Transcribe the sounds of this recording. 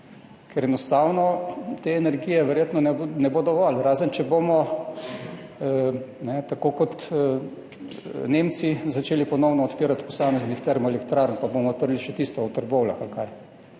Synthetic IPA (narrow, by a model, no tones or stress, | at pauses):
kʰɛɾɛnɔst̪awnɔt̪eɛnɛɾɡijɛʋɛɾjeːt̪nɔnɛnɛboːd̪ɔʋɔlɾaːzənt͡ʃɛbomɔ | nɛt̪akokɔt̪ | neːmt̪sizat͡ʃeːlipɔnɔwnɔːt̪piːɾat̪pɔsaːmɛznixt̪ɛɾmɔɛlɛkt̪ɾaɾnpabomɔt̪̚pəɾliʃɛt̪ist̪ɔɔt̪əɾbowlaxalkaj